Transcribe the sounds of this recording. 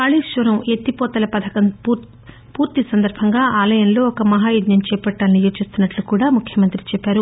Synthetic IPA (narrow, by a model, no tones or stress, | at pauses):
kɐːɭiʃʋɐɾɐmet̪ːipɔːt̪ɐlɐpɐd̪ʱɐkɐn | puːɾt̪isɐnd̪ɐɾbʱɐŋɡaːʔaːlɐjɐnlo̞ːɔkɐmɐɦaːjud̪jɐmt͡ʃɛːpɐʈːaːlɐnijoːt͡ʃist̪unːɐʈlukuːɽaːmukʰjɐmɐnt̪ɾit͡ʃɛpːaːɾu